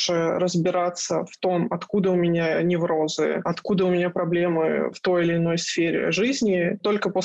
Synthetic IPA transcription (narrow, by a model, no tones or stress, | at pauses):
ʐɨrəzbʲɪɾat̪səft̪o̞mɐt̪kud̪əʊmʲɪnʲanʲɪvɾo̞zɨ̰ɐt̪kud̪əʊmʲɪnʲapɾɐblʲe̞mɨ̰ft̪o̞jɪlʲɪːno̞jsfʲeɾʲɪ̰ʐɨzʲnʲɪt̪o̞lʲkəpo